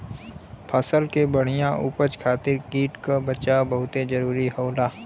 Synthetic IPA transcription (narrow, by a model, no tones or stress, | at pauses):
pʰaːsəlkebɐɽ̤ijãʔuːpət͡ʃkʰaːt̪ɪɾkiːʈkabɐt͡ʃabɐɦʊt̪ed͡ʒɐɾuːɾiɦɐːlaː